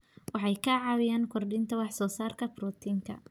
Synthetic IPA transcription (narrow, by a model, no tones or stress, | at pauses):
wɑħɑjkʰɐʕɑwɪjaːnkʰɔrdɪnt̪ʰɐwɑħsɔːsaːrkʰɐbɾuːt̪ʰiːŋkʰɐ̰